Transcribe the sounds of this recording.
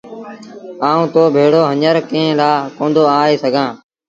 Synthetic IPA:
aːũːt̪oːbʱeːɽoːɦəɲəɾkẽːlaːkõːnd̪oːaːeːsəɡʱãː

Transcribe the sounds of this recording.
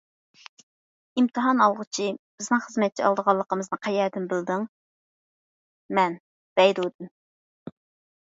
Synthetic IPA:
imt̪ʰɨɦɑnɑlˠʁʊt͡ʃʰib̥ɪznɨŋχəzmɛt̪̚t͡ʃʰɛɑlˠd̪əʁɑlˠːəqəmɨznɨqʰɑjɛd̪ɪnbɪld̪ɪŋ | mɛn | b̥ɛjd̪ud̪ɪm

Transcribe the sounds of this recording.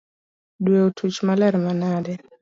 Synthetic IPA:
dwɛutʰut͡ʃmalaɾimanadɛ

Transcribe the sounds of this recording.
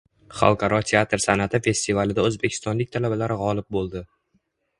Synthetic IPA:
χa̰lˠqʰɑɾɒt̪ʰe̞at̪ɾsanat̪ʰɪfe̞st̪ivalɪd̪aɵzbekʰʲɪ̥st̪ɒnlɪk̚ʲt̪ʰalabalaɾɪʁɒlɪp̚bolˠd̪ɪ

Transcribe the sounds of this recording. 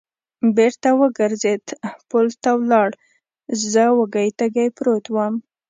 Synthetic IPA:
beɾt̪awəɡəɾzed̪pʊlt̪awlɑɽ | zəwəɡəjt̪aɡajpɾot̪wəm

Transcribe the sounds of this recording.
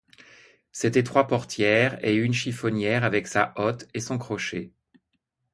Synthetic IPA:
set̪ɛt̪χwapɔʁt̪jɛʁeynʃifɔnjɛʁavɛksaʔɔt̪esɔ̃kχɔʃe

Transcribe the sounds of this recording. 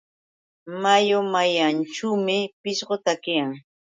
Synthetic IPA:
majomajanʈ͡ʂuːmɪpɪʃɢot̪akɪjaŋ

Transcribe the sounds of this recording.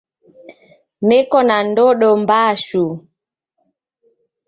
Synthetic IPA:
nɛkɔnandɔɗɔmbaʃu

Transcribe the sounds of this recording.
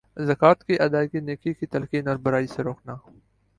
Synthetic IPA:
zɐkaːt̪kiʔɐd̪aːkineːkikit̪ɐlkiːnɔːɾbɐɾaːiseɾoːknaː

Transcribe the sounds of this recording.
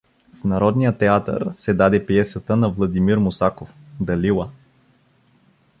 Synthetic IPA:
fnɐɾɔd̪nijət̪ːɛat̪ə̰ɾsɛd̪ad̪ɛpiɛsət̪ənɐvlˠɐd̪imiɾmʊsakofd̪ɐlilˠə

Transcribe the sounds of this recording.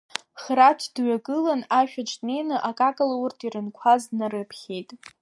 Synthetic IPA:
χɾatʷʰdɥaɡʼɨlanaʃᶣaʈ͡ʂʼne̞jnɨʔakʼakʼalaurtʰiɾɨnkʷʰaznaɾɨpʰχʲe̞jtʼ

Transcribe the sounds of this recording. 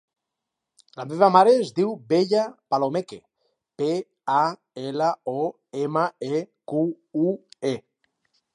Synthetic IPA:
lameβamaɾeːzd̪iwbeʎapalomeke | pe | a | elaɔ | emaeku | ue

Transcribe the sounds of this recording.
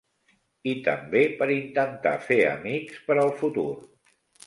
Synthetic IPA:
it̪ə̰mbepəɾint̪ənt̪a̰feə̰mikspəɾəlˠfut̪ṵr

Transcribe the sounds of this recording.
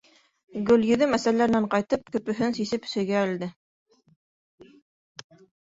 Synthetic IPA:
ɡɵ̆ljɵ̆ðɘmæsælæɾɘ̆næɴqɑjt̪ɤp̚kɵ̆pɵ̆ɦɵnsisɘp̆sɘ̆jɡæːld̪ɘ

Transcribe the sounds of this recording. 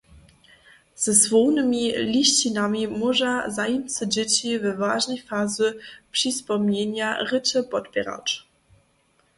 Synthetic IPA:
z̥ɛzvɔwnɘmʲilʲiɕt͡ɕinamʲimɔʐazajɛmʲt̪sɛd͡ʑɛt͡ɕivɛvaʐnɛjfazɘpʂɨspɔmɲeɲaɾɘt͡ʂɛpɔd̪bʲɛ̰ɾa̰t͡ʂ

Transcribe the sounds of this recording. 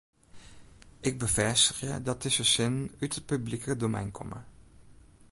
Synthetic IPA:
ʔɪɡ̚bəvɛstəχjə̰dɑt̚əsəsɪnnytət̚pyblikədomɛ̰jnkʰɔ̰mə̰

